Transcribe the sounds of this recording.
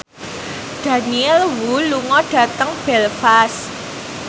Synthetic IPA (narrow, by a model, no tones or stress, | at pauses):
d̥ä̤niɛlwuluŋɔɖ̥ä̤t̪əŋb̥ɛ̤lfas